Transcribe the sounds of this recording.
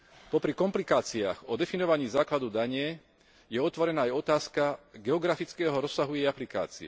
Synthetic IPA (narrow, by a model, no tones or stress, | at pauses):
pɔpɾikɔmplikaːt͡siaːxɔd̪ɛfinɔʋaɲiːzaːklad̪ud̪aɲɪɛ | jɛɔt̪ʋɔɾɛnaːjɔt̪aːskaɡɛɔɡɾafit͡skɛːɦɔɾɔsːaɦujɛjaplika̰ːt͡sḭɛ̰